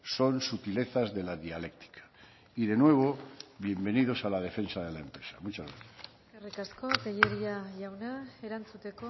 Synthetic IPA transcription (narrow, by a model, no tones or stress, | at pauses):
so̞nsut̪ile̞θazðe̞laðiale̞k̚t̪i̥kʰḁ | iðe̞nwe̞β̞o̞βje̞mbe̞niðo̞salað̞e̞fe̞nsað̞e̞laempɾesamut͡ʃazɣɾaθjas | arikasko̞keʎeɾiaʝawnaeɾant͡sut̪e̞ko